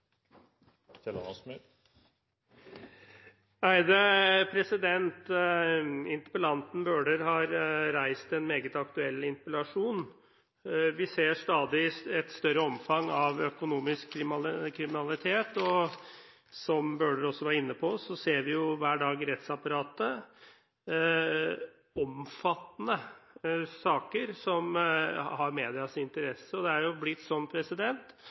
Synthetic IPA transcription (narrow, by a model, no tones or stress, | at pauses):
sɛlɑ̰nɑsmɪ | æɪd̪əpʰɾɛsɪd̪ɛnt̪ | ɪnt̪əpəlɑnt̪n̩bøːɖəɾɦɑɾɾæɪst̪ɛnmeːɡət̪ɑkt̪ʉɛlːɪnpəlɑʂuːn | ʋɪseːʂt̪ɑːd̪ɪɛt̪st̪œɾəɔmfɑŋɑʋœkʊnuːmɪskʰːɾɪmkʰːɾɪmɪnɑlɪt̪ʰeːt̪ɔ | sɔmbøːɖəɾɔsːɔʋɑːɾɪnːəpʰɔsɔseːɾʋɪjʊʋæːɖɑːɡɾɛt̪sɑpɑɾɑːt̪ə | ɔmfɑt̪ːnə | sɑːkəɾsɔmhɑɾmeːd̪ɪɑsɪnt̪əɾɛsəɔd̪ɛæɾjʊblɪt̪ːsɔmpʰɾɛsɪd̪ɛnt̪